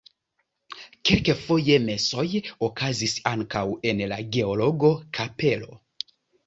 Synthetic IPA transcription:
kelkefo̞je̞me̞so̞jokʰazisaŋkawe̞nlaɡe̞o̞lo̞ɡo̞kʰape̞lo̞̰

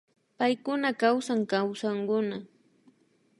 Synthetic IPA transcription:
pajkʊnakawsaŋkawsaŋkʊna

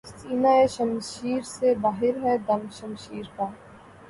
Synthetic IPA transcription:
siːnaːeʃɐmʃiːɾsebaːɦɪɾɦɛd̪ɐmʃɐmʃiːɾkaː

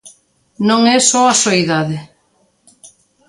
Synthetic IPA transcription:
nõŋɛsɔasoiðaðɪ

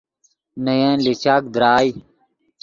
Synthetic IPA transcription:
nɐjẽːlit͡ɕaːk̚d̪ɾaːj

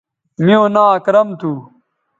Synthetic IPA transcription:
miõːnaːɐkɾɐmt̪ʰu

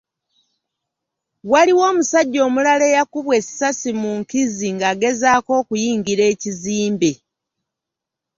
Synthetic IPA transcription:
waliwo̞ːmusaɟːo̞ːmulale̞ːjakuβwe̞sasimuŋkiziŋɡaːɡe̞zaːko̞ːkujiːŋɡiɾe̞ːciziːmbe̞

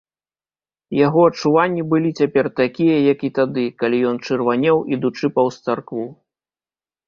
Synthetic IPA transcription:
jaɣɔɐt͡ʂːuvanʲːibɨlʲit͡sʲapʲɛrt̪akʲijɐjɐkit̪ad̪ɨkalʲijɔnt͡ʂɨrvanʲɛwʔid̪ut͡ʂɨpɐwst̪sarkvu

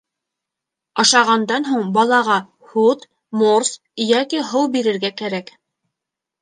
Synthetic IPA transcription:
ɑʃɑʁɑnd̪ɑnɦuɴbɑlˠɑʁɑ | hut̪ | mors | jækiɦɤwbiɾɘ̆ɾɡækæɾæk

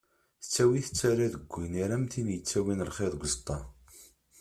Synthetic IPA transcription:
θə̥t͡sːæwiθə̥t͡sːæɾæðəɡʷːiniɾæmθinjət͡sːæwinəlχeðˤɡʷzt̪ˤːɑ

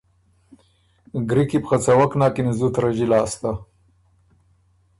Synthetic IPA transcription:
ɡɾikipxat͡sawaknɑːkinizut̪ɾaʒilɑːst̪a

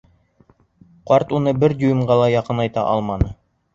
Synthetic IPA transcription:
qɑɾt̪unɤbɘɾd̪ʲujɤ̆mɢɑlˠɑjɑqɤnɑjt̪ɑ̰ʔɑ̰lˠmɑnɤ

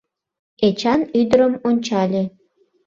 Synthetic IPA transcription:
et͡ɕɑnyd̪əɾəmonʲt͡ɕɑlʲe

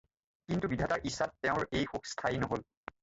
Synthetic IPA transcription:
kintubidʱataɹʔisːatːɛʊ̃ɹejxukstʰajnɔɦol

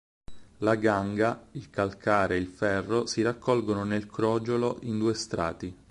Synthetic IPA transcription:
laɡaŋɡailkalkʰaːɾeilfɛrːosiɾakʰːɔlɡononelkɾɔːd͡ʒoloʔind̪uːest̪ɾa̰ːt̪i

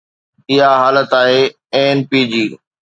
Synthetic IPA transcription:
ɪɦaɦaːlət̪aːɦeː | enpiːd͡ʑiː

